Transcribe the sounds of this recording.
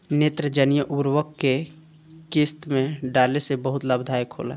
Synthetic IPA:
neːt̪ɾəd͡ʒənijəʔuɾwəkːe | kɪst̪mẽɖaːlesebəɦʊt̪ləbd̪ʱaːjkʰo̰ːla̰ː

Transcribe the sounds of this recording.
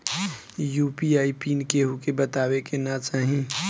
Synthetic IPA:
juːpiaːipiːnkeɦukebət̪aːwekenat͡ʃaːɦĩ

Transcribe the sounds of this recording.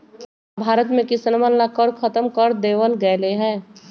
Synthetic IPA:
bʱaːɾət̪mẽkɪsnmənlakəɾkʰət̪əmkəɾd̪eːʋəlɡɛleɦɛ̃ː

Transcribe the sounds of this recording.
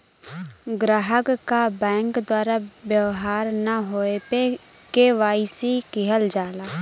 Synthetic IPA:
ɡɾaːɦəkkːabɛ̃ːŋkd̪waːɾabjəʋɦaːɾnaɦoːepe | keʋaːisikɪɦəld͡ʒaːlaː

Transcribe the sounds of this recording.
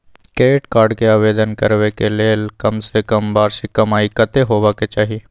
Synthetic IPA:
keːʈkaːɾɖkeaːʋeːd̪ənkəɾwekeleːlkɐmsekɐmbaːɾsikɐmaːikət̪eɦoːʋaket͡ʃaːɦie

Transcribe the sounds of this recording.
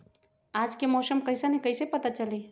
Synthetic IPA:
aːd͡ʒkemɔːsəmkɐɪsanĩkəɪsepɐt̪at͡ʃɐleː

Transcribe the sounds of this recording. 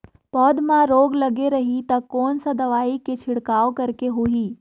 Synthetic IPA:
pɔːd̪mãɾoːɡlɐɡeɾɐɦit̪ɐkːɔːnsɐd̪ɐʋaːiket͡ʃʰɪɽkaːokɐɾkeɦuiː

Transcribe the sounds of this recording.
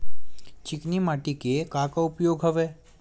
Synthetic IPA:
t͡ʃɪknimaːʈikekãːkaʊpjoːɡɦɐʋeː

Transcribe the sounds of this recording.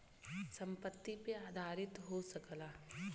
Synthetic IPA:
sɐ̃mpət̪ːipeaːd̪ʱaːɾɪt̪ɦosɐklaː

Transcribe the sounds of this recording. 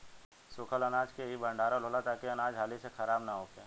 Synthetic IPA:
sʊkʰəlɐnaːd͡ʒkeɦibʱɐ̃ɳɖaːɾaloːlat̪aːkiɐnaːd͡ʒɦaːlisexɐɾaːbnaɦoːkeː

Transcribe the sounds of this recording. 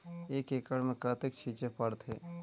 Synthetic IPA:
eːkekəɽmẽkət̪ekt͡ʃʰit͡ʃepəɽt̪ɦeː

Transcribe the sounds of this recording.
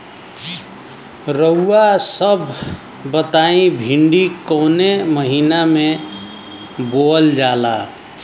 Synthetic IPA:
ɾəuasəbʱ | bət̪aĩbʱiɳɖikoneməɦiname | bold͡ʒala

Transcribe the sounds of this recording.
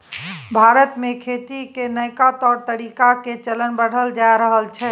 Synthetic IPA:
bʱaɾət̪mekʰet̪ikenəjkat̪ɔɾt̪əɾikaket͡ʃələnbəɽ̤əld͡ʒaeɾəɦəlt͡ʃʰɛ

